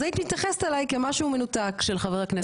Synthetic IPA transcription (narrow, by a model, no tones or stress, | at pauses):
ait̪mit̪jaχest̪alajkemaʃumenutakʃelχaveʁakne